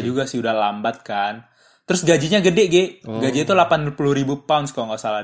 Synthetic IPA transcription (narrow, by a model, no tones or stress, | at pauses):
d͡ʒuɡasɪudahlambat̪̚kan | t̪əɾʊsɡad͡ʒiɲaɡədɪɡɪɡad͡ʒiːt̪ulapanpuluhɾibupaʊnskaaŋɡaʔsala